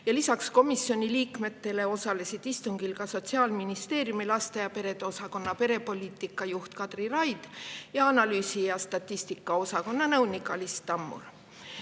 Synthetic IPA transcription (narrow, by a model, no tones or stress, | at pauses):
jɑlisɑksko̞misjo̞nʲiliːkme̞t̪ːe̞le̞o̞sɑle̞sid̪̥ist̪uŋɡ̥ilkɑso̞t̪siɑːlminist̪e̞ːrjumilɑst̪ejɑpe̞ɾe̞d̪̥eo̞sɑko̞nːɑpe̞ɾe̞po̞lʲiːt̪ˑikːˑɑjuht̪kɑd̪̥rirɑjd̪̥jɑɑnɑlyːsijɑst̪ɑt̪ʲːˑist̪ikːˑɑo̞sɑko̞nːɑnɤwnikːˑɑlist̪ːɑmːṵr